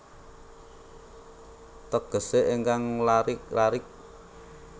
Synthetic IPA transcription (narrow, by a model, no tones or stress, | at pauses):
t̪əɡ̥ə̤seʔeŋkaŋlaɾɪklaɾɪk̚